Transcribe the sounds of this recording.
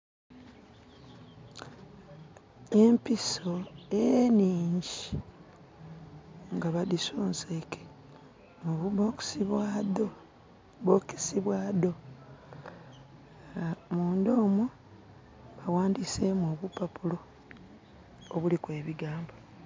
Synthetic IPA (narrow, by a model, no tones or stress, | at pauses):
e̞mpiso̞eniːɲɟii | ŋɡaβadisoːnseke̥ | muβuβoksiβado | βoki̥siβwaːdo̞ | muːnd̪oːmwo | βawaːndise̞mwo̞ːβupapulo̞ | βulikwe̞ːβiɡaːmbo